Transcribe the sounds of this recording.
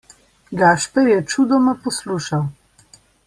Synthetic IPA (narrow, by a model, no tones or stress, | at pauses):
ɡaːʃpɛɾjɛt͡ʃud̪ɔmapɔsluːʃaw